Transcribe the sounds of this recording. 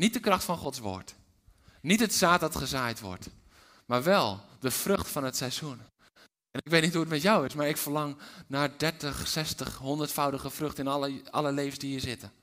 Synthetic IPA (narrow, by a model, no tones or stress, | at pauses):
nit̚dəkrɑχtfɑnχɔtsʋo̰ːɹt | nitətsaːt̚dɔtχəzajtʋɔ̰ɹt | maːɹʋɛlˠdəfrøχtfɑnətsɛzun | ɛnɪkʋeːtnitɦuətmɛtjawɪsmaːɹɪkfərlɑŋnaːdɛɹtəχsɛstəχɦondərtfawdəɣəfrɵxtɪnʔɑləlejvənsdiiːɹzɪtə